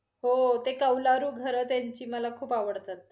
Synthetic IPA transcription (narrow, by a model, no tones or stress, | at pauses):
hot̪ekəwlaɾuːɡʱəɾəːt̪jaɲt͡ɕiːməlakʰuːpaʋəɽt̪at̪̚